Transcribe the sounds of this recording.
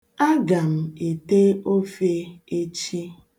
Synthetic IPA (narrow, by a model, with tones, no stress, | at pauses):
a˦ɡa˨m̩˨e˨te˦o˦fe˦e˦t͡ʃi˦